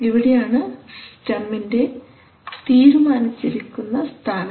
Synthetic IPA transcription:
iʋiɽejaːɳɨsʈɐmːinde̞ | t̪iːɾumaːnit͡ɕːiɾikʲːunːɐst̪ʰaːnɐ

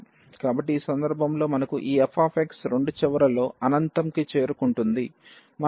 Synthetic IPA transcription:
kaːbɐʈːiiːsɐnd̪ɐɾbʱɐmlo̞ːmɐnɐkuʔiːɛpʰaːpʰeksɾe̞ɳɖut͡ʃɛʋɐɾɐlo̞ːɐnɐnt̪ɐmkit͡ʃe̞ːɾukuɳʈund̪i | mɐ

